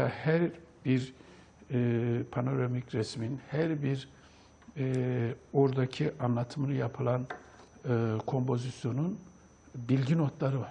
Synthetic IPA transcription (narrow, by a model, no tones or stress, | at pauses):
ahæɾbiɾ | pʰano̞ɾamicɾɛsminhæɾbiɾ | oɾd̪acʰiʔanlˠat̪ʰɯmɯnɯjapʰɯlˠanɯkʰo̞mpʰo̞zisjo̞nun | bilʲɟino̞t̪lˠaɾɯvaɾ̥